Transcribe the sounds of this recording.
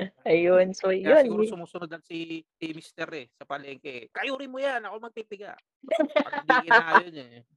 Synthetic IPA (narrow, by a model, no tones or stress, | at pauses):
ʔɐjonsojonsʊmuːsʊnod̪ɐŋsi | imist̪ɛɾɛsɐpɐlɛŋkɛkɐʔjuːɾɪnmojanɐkomɐɡ̚p̪ip̪ɪɡa̰ʔ | d̪ɡɪajonɛ